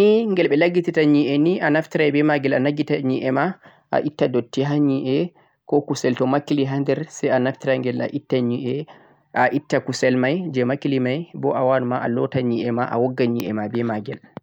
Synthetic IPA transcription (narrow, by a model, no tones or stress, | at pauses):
niŋɡɛlɓɛlaɡititaɲiɛniʔanaftiɾajbɛmaɡɛlanaɡitaɲiʔɛma | ʔa̰ʔitːadotːiɦaɲiʔɛ | kɔkusɛltɔmakiliɦandɛɾsɛjanaftiɾaŋɡɛla̰ʔitːaɲiɛ | ʔaʔitːakusɛlmajd͡ʒɛmakilimajbɔʔawanumaʔa̰lɔtaɲiʔɛmaʔa̰wɔɡːaɲiʔɛ̰mabɛmaɡɛl